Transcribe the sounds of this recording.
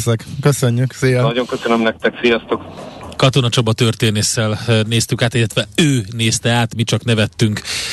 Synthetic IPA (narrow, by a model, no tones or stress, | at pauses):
sɛkkøsøɲːyksiːjnɒɟo̞ŋkøsønømnɛk̚t̪ɛksijɒst̪okkɒt̪o̞nɒt͡ʃo̞bɒt̪ørt̪eːneːsːɛlneːst̪ykaːt̪ilːɛt̪ʋɛøːneːst̪ɛaːt̪mit͡ʃɒknɛvɛt̪ːyŋk